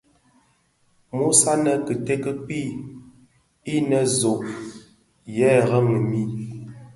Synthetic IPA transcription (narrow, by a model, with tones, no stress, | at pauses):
mu˦sa˦nə˨kə˨te˦kə˦k͡pi˦ | i˦nə˨zo˨ʔ | jɛ˦ɣə˦ŋə˨mi˦